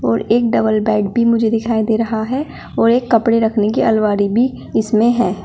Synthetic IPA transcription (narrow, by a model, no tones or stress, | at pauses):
ɔːɾeːk̚ɖɐbəlbɛːɖ̚bʱimʊd͡ʒʱed̪ɪkʰaːid̪eːɾɐɦaɦɛ | ɔːɾeːkːɐpɽeɾɐkʰnekiʔɐ̰lʋaːɾibʱi | ɪsmẽɦɛː